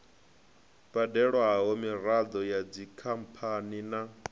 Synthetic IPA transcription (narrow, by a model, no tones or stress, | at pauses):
b̥adɛɺwaɦɔmiɾad̪ɔjad͡zikʰampʰanina